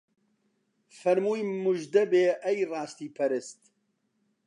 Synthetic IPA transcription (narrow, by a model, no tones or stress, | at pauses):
fɐɾmuːjmʊʒd̪ɛbeːʔɛjrɑːst̪iːpʰɐɾɨst̪